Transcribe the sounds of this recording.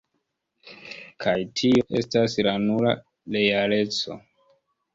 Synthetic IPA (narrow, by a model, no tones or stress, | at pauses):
kʰajtʰio̞ʔe̞̰staslanula̰ | le̞jale̞t͡so̞̰